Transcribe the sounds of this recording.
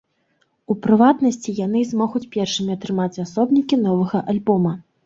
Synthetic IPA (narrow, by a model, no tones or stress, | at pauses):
upɾɨvat̪nɐsʲt͡sʲijan̪ɨzmɔɣut͡sʲpʲɛrʂɨmʲiat̪ɾɨmat͡sʲasɔbnʲikʲin̪ɔvɐɣɐʔalʲbɔmɐ